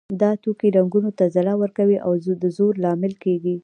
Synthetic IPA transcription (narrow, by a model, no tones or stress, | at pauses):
d̪ɑt̪okiɾaŋɡunot̪azalawəɾkawiʔawd̪əzoɾlɑmɪlkeɡi